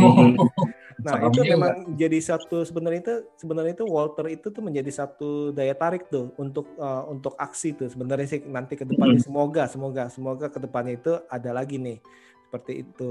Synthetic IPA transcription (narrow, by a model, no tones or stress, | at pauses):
nait̪umemaŋd͡ʒadisat̪usəbənarɲait̪usəbənarɲait̪uwɔlt̪ərit̪ut̪ʊhməɲd͡ʒadisat̪udajat̪aɾɪk̚t̪ʊhunt̪ʊk̚əunt̪ʊka̰ksit̪usəbənarɲasɪnant̪ikədəpanɲasəmoɡasəmoɡasəmoɡakədəpanɲait̪uadalaɡinɪh | sə̥pərt̪iḭt̪u